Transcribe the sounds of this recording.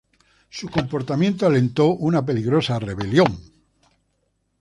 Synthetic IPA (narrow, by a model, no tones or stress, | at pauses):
suko̞mpo̞ɾt̪amjent̪oale̞nt̪o̞ʔunap̬e̞liɣɾo̞sare̞βe̞ljo̞ŋ